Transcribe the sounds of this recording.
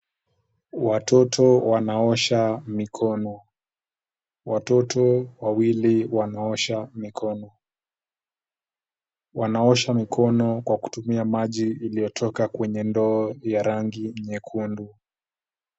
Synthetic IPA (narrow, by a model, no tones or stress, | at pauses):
watʰɔtʰɔwanaɔʃamikʰɔnɔ | watɔtʰɔwawiliwanaɔʃamikʰɔnɔ | wanaɔʃamikʰɔnɔkwaku̥tumiamaʄiːlijɔtʰɔkakwɛɲɛndɔːjaɾaŋɡiɲɛkʰundu